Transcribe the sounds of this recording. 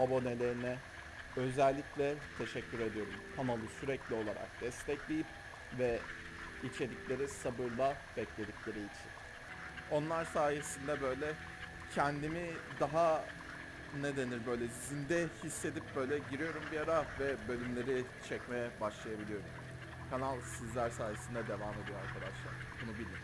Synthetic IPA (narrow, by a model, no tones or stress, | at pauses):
abo̞ne̞lʲe̞ɾinɛ | ø̞zælʲːiclʲɛt̪ʰe̞ʃɛcʰːyɾe̞d̪ijo̞ɾumhʰamalˠɯsyɾɛclʲio̞lˠa̰ɾa̰k̚d̪̥ɛst̪ʰɛclʲejip̚ | vɛ | it͡ʃʰe̞d̪iclʲe̞ɾisabɯɾlˠa | b̥ɛclʲe̞d̪iclʲe̞ɾiːit͡ʃʰḭn | o̞nlˠaɾsaːje̞sind̪ɛbø̞jlʲɛ | cʰɛnd̪imid̪aɦa | ne̞d̪e̞niɾbø̞jlʲɛzind̪ɛhisːe̞d̪ip̚bø̞jlʲɛɟiɾijo̞ɾumbiaɾavɛbø̞lʲymlʲe̞ɾi | t͡ʃʰɛcmejɛbaʃlˠajabilʲijo̞ɾum | kʰanalˠsizlʲæɾsaːjesind̪ɛd̪e̞vaːme̞d̪ijoaɾkʰad̪aʃlˠa̰ɾ̥bunubilʲim